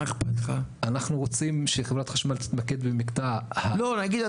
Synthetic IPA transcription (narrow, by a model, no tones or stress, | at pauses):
eχpatχaanaχnuʁot͡simʃeχevʁat̪χaʃmalt̪i̥t̪make̞d̪bemikt̪ahalonaɡid̪